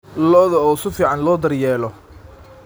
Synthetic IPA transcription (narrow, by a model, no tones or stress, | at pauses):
lɔðɐɔːsɪfiːʕɑnlɔːd̪ɐrjɛːlɔ